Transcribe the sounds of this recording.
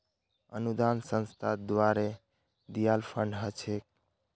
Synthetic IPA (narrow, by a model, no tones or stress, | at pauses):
ə̰nud̪ansə̃nst̪ʰad̪waɾe | d̪ijalpʰəɳɖɦət͡ʃʰek̚